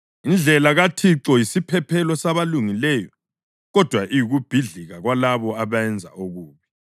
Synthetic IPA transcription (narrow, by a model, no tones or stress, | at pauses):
ind͡ɮʱɛlaɣatʰiǁɔjisipʰɛpʰɛlɔsaβaluŋilɛːjɔ | ɣɔd̥ʱwaʔijuɣub̥ʱiɮiɣaɣwalaβɔaβaɛnd͡zʱa̰ʔoɣuːβi